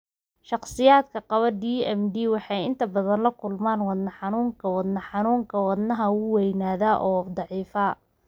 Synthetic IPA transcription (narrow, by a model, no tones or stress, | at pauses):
ʃɑχsɪjaːd̪kʰɐqɑβɐdiːɛmd̪iːwɑħɑjɪ̰nt̪ʰɐbɐðɐnlɐkʰʊlmaːnwɑd̪nɐħɑnuːŋkʰɐwɑd̪nɐħɑnuːŋkʰɐwɑd̪nɐɦɐʊwɛjnaːðaːʔɔːd̪ɑʕiːfɐ